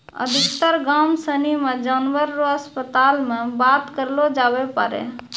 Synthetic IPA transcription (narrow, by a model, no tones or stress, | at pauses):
ə̰d̪ʱikt̪əɾɡamsənimed͡ʒanʋəɾːoəspət̪almebat̪kəɾlod͡ʒabepə̰ɾḛ